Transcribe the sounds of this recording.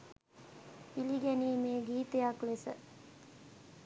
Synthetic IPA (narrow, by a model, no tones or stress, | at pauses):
iliɡæniːmeːɡiːt̪ejaklesə